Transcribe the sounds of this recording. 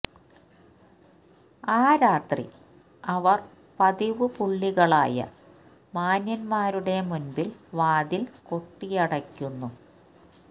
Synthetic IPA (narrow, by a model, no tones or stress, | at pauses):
aːɾaːt̪rḭ | ɐʋɐr | pɐðiʋɨpuɭːiɣɐɭa̰ːjɐ̰ | maːnjɐnmaːɾuɽe̞munbilʋaːðilko̞ʈːijɐɽɐkʲːunːu